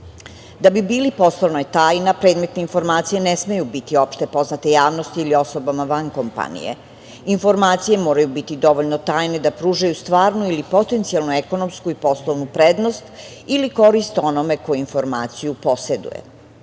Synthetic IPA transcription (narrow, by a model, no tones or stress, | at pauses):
d̪abibiːlipo̞slˠoʋnojet̪aːjnapɾed̪me̞t̪neinfo̞ɾmaːt̪sije̞nesmejubit̪io̞pʃt̪e̞po̞znat̪e̞jaːʋnost̪iːlio̞sobamaʋankompa̰nḭjḛ | info̞ɾmaːt̪sije̞moːɾajubit̪id̪o̞ʋoʎnot̪aːjne̞d̪apɾuːʒajust̪ʋaːɾnuilipo̞t̪ent̪sialˠnueko̞no̞mskuipo̞slˠoʋnupɾed̪nost̪iliko̞ɾist̪o̞nome̞ko̞juinfo̞ɾma̰ːt̪sijupo̞se̞d̪ṵjḛ